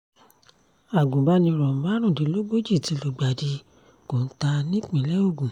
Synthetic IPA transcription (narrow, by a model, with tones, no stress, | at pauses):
a˨ɡũ˨ba˧˦nĩ˧ɾɔ˨m̩˨˦ba˦ɾ̃ũ˦˨di˨˦lo˦ɡ͡bo˦d͡ʒi˦˨ti˨˦lo˨ɡ͡ba˨di˧ | ko˨n̩˦ta˧nĩ˦k͡pĩ˨˦lɛ˦o˦˨ɡũ˨